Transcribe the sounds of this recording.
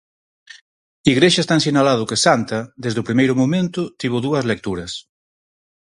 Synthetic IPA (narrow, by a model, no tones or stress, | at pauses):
iɣɾeʃaɐest̪ans̬inalað̞ʊkesant̪ad̪ezðʊpɾimejɾʊmomẽnt̪ʊt̪iβ̞ʊðuɐzlek̚t̪uɾɐs